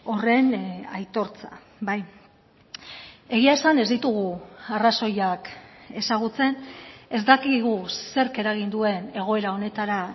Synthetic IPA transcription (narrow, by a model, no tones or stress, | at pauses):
o̞re̞najt̪o̞ɾt͡sa̰ | baj | e̞ɣiaesane̞zd̪it̪uɣuaraso̞jake̞saɣ̞ut͡se̞ne̞zd̪akiɣuse̞ɾke̞ɾaɣ̞ind̪ue̞ne̞ɣ̞o̞e̞ɾao̞ne̞t̪aɾa